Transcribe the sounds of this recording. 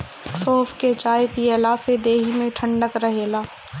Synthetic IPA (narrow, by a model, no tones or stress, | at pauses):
soːfʰket͡ʃaːjpiːeːlaːsed̪eːɦimẽʈʰə̃ɳɖəkɾəɦeːlaː